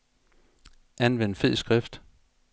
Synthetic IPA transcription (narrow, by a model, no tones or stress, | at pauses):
ænʋen̰fe̝ð̰ˠsɡ̥ʁɛfd̥